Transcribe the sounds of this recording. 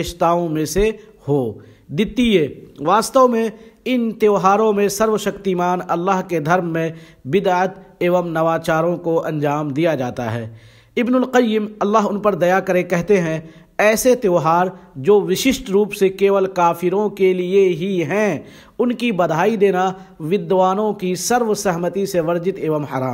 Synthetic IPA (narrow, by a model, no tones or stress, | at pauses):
ʃt̪aːõmẽse | hoːd̪ɪt̪ːieːʋaːst̪əʋmẽɪnt̪joːɦaːɾõmẽsɐɾʋəʃɐkt̪imaːnɐlːaːɦked̪ʱɐɾmːẽ | bɪd̪aːət̪eːʋəmnɐʋaːt͡ʃaːɾõkoʔɐ̰̃nɲd͡ʒaːmd̪ijad͡ʒaːt̪a̰ɦɛ̰ː | ɪbnʊlqəjːɪmɐlːaːɦʊnpɐɾd̪ɐjakɐɾekɛɦt̪eɦɛ̃ | ɛːset̪joːɦaːɾd͡ʒoːʋɪʃɪʃʈɾuːpsekeːʋəlkaːfɪɾõkelieɦiɦɛ̃ | ʊnkibɐd̪ʱaːid̪eːnaʋɪd̪ʋaːnõkisɐɾʋsɛɦmət̪iseʋɐɾd͡ʒɪt̪eːʋəmhɐɾaːm